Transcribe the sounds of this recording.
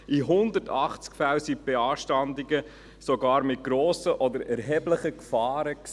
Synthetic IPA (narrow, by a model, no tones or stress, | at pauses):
ʔiɦʊnd̪ətɑχt͡skfawsib̥eɑːʃtɑnd̪iɡə | soɡɑːɾmɪt̚ɡ̥ɾɔːsəʔɔd̪əɾɛɾɦɛbləχəkfɑːɾəks